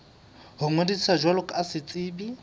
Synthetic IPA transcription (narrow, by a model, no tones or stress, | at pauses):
hʊŋwedisad͡ʒwalʊkʼasɪt͡sʼɪːbi